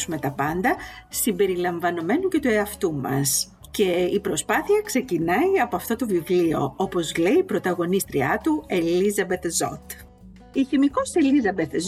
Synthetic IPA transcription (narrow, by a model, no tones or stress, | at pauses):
sume̞t̪ɐpɐnd̪ɐsimbe̞ɾilɐɱvɐno̞me̞nuce̞t̪ue̞ɐft̪umɐ̰s | ce̞ipɾo̞spɐθiɐkse̞cinɐiɐpo̞ɐft̪o̞t̪ovivlio̞̰o̞po̞zle̞ipɾo̞t̪ɐɣo̞nist̪ɾiɐt̪ue̞lizɐbe̞t̪zo̞̰t̪ | içimiko̞se̞lizɐbet̪z